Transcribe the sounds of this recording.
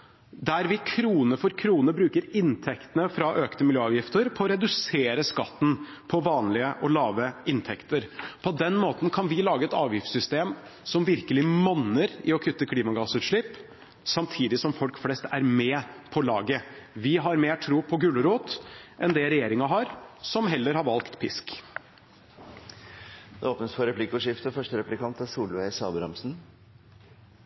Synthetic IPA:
d̪æɾʋɪkʰɾuːnəfɔɾkʰɾuːnəbɾʉːkəɾɪnt̪ʰɛkt̪ənəfɾɑʔøːkt̪əmɪljøːɑːʋjɪft̪əɾpʰɔɔɾɛd̪ʉseːɾəskɑt̪ːn̩ | pʰɔʋɑːnlɪəʔɔlɑːʋəɪnt̪ʰɛkt̪əɾpʰɔd̪ɛnːmoːt̪n̩kʰɑnʋɪlɑːɡəɛt̪ɑːʋjɪft̪sʏst̪eːmsɔmʋɪɾkəlɪmɑnːəɾɪɔkʰʏt̪ːəkʰliːmɑɡɑːsʉːt̪ʂɭɪpː | sɑmt̪ʰiːd̪ɪsɔmfɔlkflɛst̪æɾmɛpʰɔlɑ̰ːɡəʋɪɦɑɾmeːʈʰɾuːpʰɔɡʉːləɾuːt̪ʔɛnd̪ɛɾɛjeːɾɪŋɑɦɑɾsɔmɦɛlːəɾhɑɾʋɑlkt̪pʰɪsk | d̪ɛoːpnəsfɔɾɛpʰlɪkʊʂɪft̪əfœʂʈəɾɛplɪkʰɑnt̪ɛsuːlʊesɑ̰ːbəɾɑ̰msn̩

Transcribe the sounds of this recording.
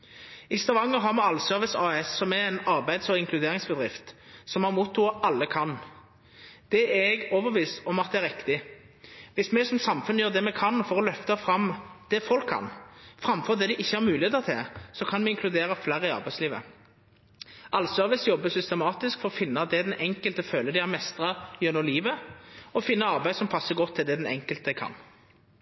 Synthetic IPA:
ɪst̪ɑʋɑŋːəɾɦɑʁmɛɑlsœɾʋɪsɑːɛsːɔmɛɛnɑʁbæɪd̪sɔɪŋkʰlʉd̪eːɾɪŋsbəd̪ʁɪft̪sɔmɑʁmuːt̪ːʊːʔɑlːəkʰɑn | d̪̥ɛɛɡɔʋəʋiːsɔmɑt̪̚ɛæɾɪkt̪ɪ | ʋɪsmɛsɔmsɑmfʉnːəjøːʁd̪ɛmɛkʰɑnfɔɾɔlœft̪əfɾɑmd̪̥ɛfɔlkʰːɑ̰nfɾɑmfɔʁd̪ɛd̪ɪʔɪçːəhæɾmʉːlɪheːt̪ət̪ʰɪlsɔkʰɑnmɛɪŋkʰlʉd̪eːɾəflæɾəɪɑ̰ɾbæɪsliːʋə̰ | ʔɑlsœːʋəsjɔbːəsʏst̪əmɑːt̪ɪskfɔʁɔfɪnːəd̪ɛd̪ɛnɛŋkəlt̪əføːləd̪ɪæmɛst̪ʁɑjœnɔliːʋəɔfɪnːəɑʁbæɪd̪sɔmpʰɑsːəɡɔt̪ʰːɪld̪ɛd̪ɛnɛ̰ŋkəlt̪əkʰɑ̰nː

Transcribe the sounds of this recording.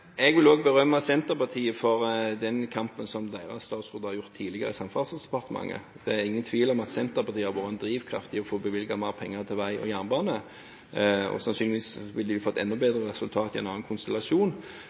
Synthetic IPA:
ɛɡʋɪloːɡ̚bəɾœmːɑsɛnt̪əʁpɑt̪ʰiːəfɔʁd̪ɛnkʰɑmpənsɔmd̪eːʁɑst̪ɑːt̪sʁʉːd̪əʁhɑɾʁjʊʁt̪ʰːiːlɪɡəɾəɪsɑmfɑːsəsd̪ɛpɑʁt̪əmɑ̰ŋːə̰ | d̪̥ɛæɾɪŋːənt̪ʰʋiːlɔmɑt̪sɛnt̪əʁpɑʁt̪ʰiːəɑʋoːʁnd̪ɾiːʋkʰɾɑ̰ft̪ɪɔfoːbəʋɪlɡɑmɑːpʰɛŋːəʁt̪ʰɪlʋæɪʔɔ̰jæːʁnbɑːnə | ɔ̰sɑnsyːnɪʋiːsʋɪld̪ɪjʊfɔt̪ʰːɛ̰nːɔbeːd̪ɾəʁɛsʉlt̪ʰɑːt̪ɪɛ̰nɑːɑnkʰʊnst̪ɛlɑsuːn

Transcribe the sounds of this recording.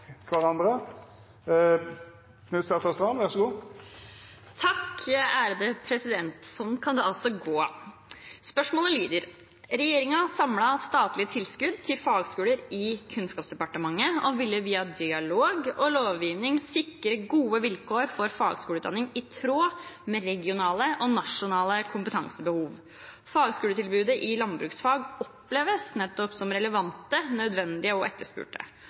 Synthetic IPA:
ʋɑʁɑnd̪ɾə | kʰnʉːst̪ɑʁt̪ɑst̪ʁɑmʋæʁʂɔɡuː | t̪ʰɑkːæːɾd̪əpʰɾɛsɪd̪ɛnt̪sɔnkʰɑnd̪ɛɑlsɔɡoː | spœʂmoːləliːd̪əɾ | ɾɛjeːɾɪŋɑsɑmlɑst̪ɑːt̪lɪət̪ʰɪlskʉd̪̚t̪ʰɪlfɑːɡskʉːləɾɪkʰʉnskɑːpsd̪ɛpɑʈəmɑŋːəɔʋɪlːəʋiːɑd̪ɪɑloːɡɔloːʋjiːʋnɪŋsɪkːɾəɡuːəʋɪlkʰoːɾfɔɾfɑːɡskuːlʉːt̪ɑnɪŋɪt̪ʰɾoːmɛːɾɛɡɪʊnɑːləʔɔnɑʂʊnɑːləkʰʊmpət̪ʰɑŋsəbəhuːʋ | fɑːɡskʉːlət̪ʰɪlbʉːd̪əʔɪlɑnbɾʉːksfɑːɡɔpleːʋəsnɛt̪ːɔpsɔmɾɛləʋɑnt̪ənœd̪ʋɛnd̪ɪəɔʔɛt̪ːəʂpʉ̰ːʈə̰

